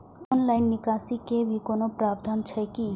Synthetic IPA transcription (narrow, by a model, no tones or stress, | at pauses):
ɔnlajnːikasikebʱikonopɾaːbd̪ʱant͡ʃʰəjki